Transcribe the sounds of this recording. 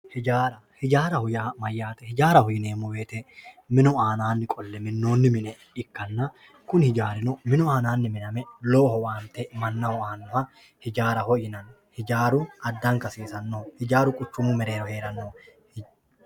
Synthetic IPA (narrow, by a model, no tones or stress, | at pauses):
hɪd͡ʒaːɾɐhɪd͡ʒaːɾɐhʊjamɐjːaːt̪ɛhɪd͡ʒaːɾɐhɔjɪneːmːʊbeːt̪ɛ | mɪnʊaːnaːnːɪkʼɔlːɛmɪnːo̞ːnːɪmɪnɛ | ɪkːɐnːɐ | kʊnhɪd͡ʒaːɾɪnɔmɪnʊaːnaːnːɪmɪnɐmɛloːhɔwaːnt̪ɛmɐnːɐwɔaːnːɔhɐ | hɪd͡ʒaːɾɐhɔjɪnɐn | hɪd͡ʒaːɾʊɐd̪ːɐŋkɐsiːsɐnːohɪd͡ʒaːɾʊkʼʊt͡ʃːʊmːʊmɛɾe̞ːɾɔhe̞ːɾɐnːoːh